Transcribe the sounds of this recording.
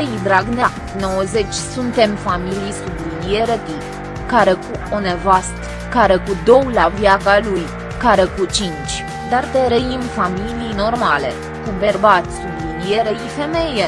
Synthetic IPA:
jd̪ɾaɡna | no̞wəze̞t͡ʃʲsunt̪e̞mfamilijsublinije̞ɾət̪i | kaɾe̞kuo̞nevast̪ | kaɾekud̪o̞wlavjakaluj | kaɾe̞kut͡ʃint͡ʃʲ | d̪ard̪eɾejimfamilijno̞rmale̞̰ | kuberbat̪ʲsublinie̞ɾeife̞me̞je

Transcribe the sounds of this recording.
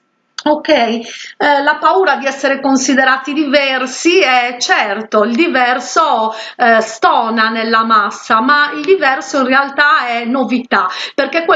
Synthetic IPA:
okɛjlapauːɾad̪iɛsːeɾekonsiðeɾaːt̪id̪ivɛrsiɛt͡ʃɛrt̪oild̪ivɛrso | st̪ɔːnanelːamasːamaild̪ivɛrsoinrealt̪aɛnːovit̪aperkekːwe

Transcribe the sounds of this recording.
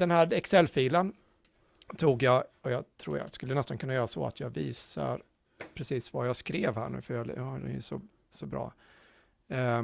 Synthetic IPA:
d̪̥ɛnhæːɾɛksɛlːfiːlən | t̪ʰuːɡjɑːɔjɑt̪ʰɾṵːɾja̰skɵlːənɛst̪ankɵnːajœːɾasɔ̰a̰t̪ʰjɑːɡviːsa̰ɾ | pʰɾɛsiːsvajɑːskɾeːvhæːɳʉ̟ːfœɾjɑhad̪ɛ̰njɵsɔ | sɔbɾɑ̰ː

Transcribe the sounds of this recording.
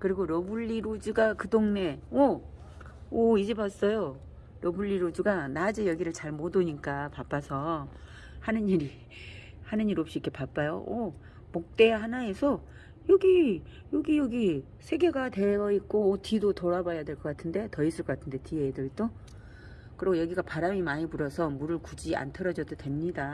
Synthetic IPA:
kɯɾiɡoɾʌbuʎːiɾod͡ʑuɡakɯdoŋne̞ʌ | ʌid͡ʑebas͈ʌjo | ɾʌbuʎːiɾod͡ʑuɡanad͡ʑɯjʌɡiɾɯɭt͡ɕaɭmodoɲik͈apap͈asʰʌ | hanɯniɾi | hanɯɲiɾop̚ɕ͈iːk͈ʰːe̞pap͈ajo̰o | mok̚t͈e̞ɦanae̞sʰʌ | jʌɡi | joɡijoɡi | sʰe̞ɡe̞ɡateʌit̚k͈oːtidotoɾabʌjadwe̞ɭk͈ʌk͈atʰɯnde̞tʌisʰɯɭk͈ʌk͈atʰɯnde̞tiedɯit͈o | kɯɾiɡojʌɡiɡapaɾamimaɲipuɾʌsʰʌmuɾɯɭkud͡ʑia̰ntʰʌɾʌd͡ʑʌdodwe̞mɲida

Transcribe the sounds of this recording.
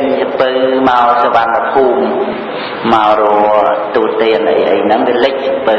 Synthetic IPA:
ɲsəpɨwmaɔsəʋanːpʰuːmː | aɔrɔət̪uːt̪iənʔə̰jʔə̰jnɨŋmiəlɨc̚səpɨ

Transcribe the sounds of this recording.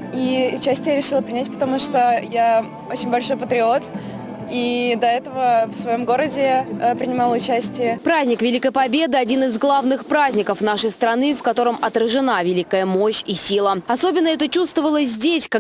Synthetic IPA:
iʊt͡ɕæsʲtʲɪjaɾʲɪʂɨlˠəpɾʲɪnʲætʲpə̥t̪ɐmuʂt̪oja | ot͡ɕɪnʲbɐlʲʂo̞jpət̪ɾʲɪo̞t̪ | id̪ɐɛt̪əvəfsvɐjo̞mɡo̞ɾədʲɪpɾʲɪnʲɪmɑlˠəʊt͡ɕæsʲtʲɪjəpɾazʲnʲɪkvʲɪlʲikəjpɐbʲe̞d̪ɨɐdʲinɨzɡlˠavnɨxpɾazʲnʲɪkəfn̪aʂəjst̪ɾɐnɨfkɐt̪o̞ɾəmɐt̪ɾəʐɨnavʲɪlʲikəjəmo̞ɕisʲilˠəɐso̞bʲɪnːəɛt̪ət͡ɕust̪vəvəlˠəzʲdʲesʲka

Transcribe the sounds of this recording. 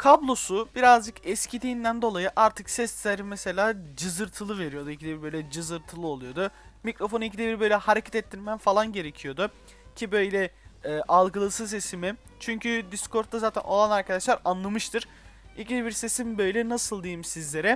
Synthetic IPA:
kʰablˠo̞sub̥iɾazd͡ʒɯkɛscʰid̪iːnd̪ænd̪o̞lˠajɯʔaɾt̪ʰɯksɛszʲæɾimɛse̞lʲaːd͡ʒɯzɯɾt̪ʰɯlˠɯve̞ɾijo̞d̪uicʰid̪ebiɾbø̞jlʲɛd͡ʒɯzɯɾt̪ʰɯlˠɯo̞lˠujo̞d̪ʊmicɾo̞fonunicʰid̪ebiɾbø̞jlʲɛhaɾecʰɛt̪ɛt̪ʰːiɾmæmfalˠanɟe̞ɾe̞cʰijo̞d̪ʊ | cʰibø̞jlʲɛɛːʔalˠɡɯlˠɯsɯzesimi | t͡ʃʰyɲcʰyd̪iskʰo̞ɾt̪ʰːazaːt̪ʰæ̰nʔo̞̰lˠanaɾkʰad̪aʃlˠaɾanlˠamɯʃt̪ʰɯɾ̥ | ilʲcid̪ebiɾse̞simbø̞jlʲɛnasɯlˠd̪ijimsizlʲe̞ɾɛ

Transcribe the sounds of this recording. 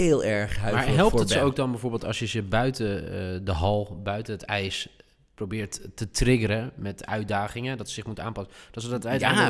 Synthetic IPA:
ɪːlˠɛɹχɦamaːɹɦɛlˠətəowk̚dɔnbɛjvoːɹbeːlˠtɑ̰sjəzəbœɥtədəɦɑlˠbœɥtəɦətɛjs | prowbɪːɹtːətrɪɡəɾəmɛtœ̰ɥ̚daːχɪŋədɔtsəsɪχmutəa̰ːnpɑsəd̥ɔtsədɔtɛ

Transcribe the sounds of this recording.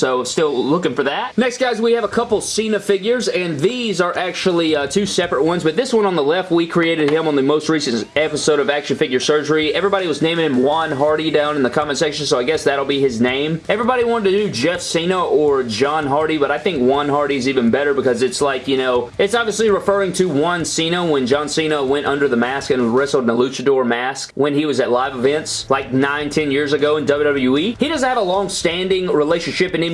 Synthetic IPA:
soʊstɪlˠlʊkɪ̃ŋfə˞ðæt̚nɛksɡ̥aɪzwiɨvəkʰʌpl̩ˠsĩnɨfɪɡjə˞zɨ̃nðizə˞ʔæk̚t͡ʃul̩ˠitʰʉsɛpɹət̚wʌ̃nzbʌt̪̚ðɪswʌ̃nə̃nðəlɛft̚wikʰɹ̥ieɪɾɨd̚ɪ̃mə̃nðɨmoʊst̚ɹisɨ̃ntɛpəsoʊɾʌvækʃɨ̃nfɪɡjə˞sɜ˞d͡ʒə˞iɛvɹibɑɾiwʌznẽɪ̃m̃ɪ̃ŋɨ̃mwʌ̃nɦɑɹɾidãʊ̃nɨ̃nðɨkʰɑmɨ̃nsɛkʃɨ̃n̩soʊaɪɡɛsðæɾl̩ˠbiɪznẽɪ̃mɛvɹibɑɾiwɑ̃ɾədtɨdɨd͡ʒɛfsĩnoʊʔə˞d͡ʒɑ̃nɦɑɹɾibʌɾaɪθɪ̃ŋkwʌ̃nɦɑɹɾiɨzivɨ̃nbɛɾə˞bɨkʌzɨtslaɪkjɨñoʊɨtsɑbviəsliɹɨfɜ˞ɪ̃ŋtʰɨwʌ̃nsĩnoʊwə̃nd͡ʒɑ̃nsĩnoʊwɛ̃ñtʔʌ̃ndə˞ðəmæskɨ̃nɹɪsl̩ˠdnəlʉt͡ʃɨdɔɹmæskwɨ̃niwʌzɨtˡlaɪvəvɛ̃ntslaɪk̚nãɪ̃ntʰɛ̃njɪɹzɨɡoʊɨ̃ndʌblˠdʌbl̩ˠjʉihidʌzn̩̚ɨvəlɔ̃ŋstæ̃ndɪ̃ŋɹileɪʃɨ̃n̩ʃɪpɨ̃nɨ̃m

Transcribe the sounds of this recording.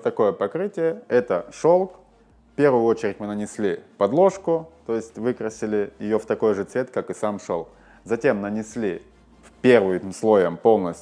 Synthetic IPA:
t̪ɐko̞jəpɐkɾɨtʲɪjəɛt̪əʂolˠk | fpʲe̞rvʊjʊo̞t͡ɕɪɾʲɪtʲmɨnənʲɪsʲlʲipɐd̪lˠo̞ʂkʊt̪o̞jɪsʲtʲvɨkɾəsʲɪlʲɪjɪjo̞ft̪ɐko̞jʐɨt̪svʲe̞t̪kakɨsamʂo̰lˠk | zɐtʲe̞mnənʲɪsʲlʲi | fpʲe̞rvɨjmslˠo̞jəmpo̞lˠnəsʲ

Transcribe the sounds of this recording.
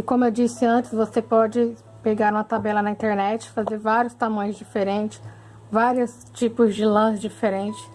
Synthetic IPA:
ɪkõmʊewd͡ʒisɪɐ̃nt͡ʃɪ̥zvosepɔd͡ʒɪ | peɡaɾũmɐt̪abɛlɐnɐĩnt̪eɾnɛt͡ʃɪ̥fazeɾvaɾjʊst̪amɐ̃j̃ʊzd͡ʒifeɾẽnt͡ʃɪ̥s | vaɾiʊs | t͡ʃipʊzd͡ʒɪlɐ̃sd͡ʒifeɾẽnt͡ʃɪ̥s

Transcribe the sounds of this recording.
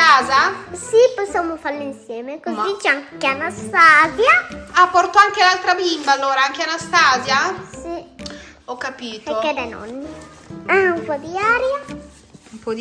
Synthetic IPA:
aːzasiposːamofalːeinsjɛːmekozit͡ʃɛaŋkeanast̪aːzjaapːɔɾt̪oaŋk̟elalt̪ɾabimbalːoːɾaaŋkeanast̪aːzjasi | ɔkːapiːt̪peokːɛd̪ɛjnɔ̰nːi | ɛumpɔd̪iaːɾja | umpɔd̪

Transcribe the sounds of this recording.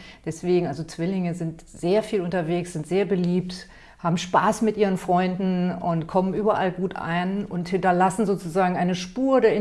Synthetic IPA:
d̥ɛsv̥eːɡŋ̩ʔalzot͡sv̥ɪlɪŋəzɪnt | z̥eːɐfiːlʊntɐveːksz̥ɪntz̥eːɐbəliːp̚t | haːbm̩ʃpaːsmɪtʔiːʁ̞ənfʁ̥ɔʏndn̩ʊntkʰɔmənʔyːbɐʔa̰lɡuːtʔa̰ɪnʊnthɪntɐlasn̩zoːt͡suzaːɡŋ̩ʔaɪnəʃpuːɐdeːɐɪ

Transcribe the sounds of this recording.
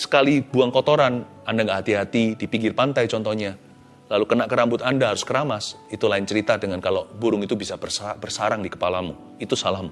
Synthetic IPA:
sə̥kalibuaŋkɔt̪oɾan | andaŋɡaʔɦat̪iɦat̪idipiŋɡɪrpant̪ajt͡ʃɔnt̪ɔhɲa | lalukənaʔkəɾambʊt̪andaɦaɾʊskəɾamas | it̪ulaɪnt͡ʃəɾit̪adəŋankalobuɾʊŋit̪ubisabərsbərsaɾaŋdikə̥palamu | it̪usalahmu

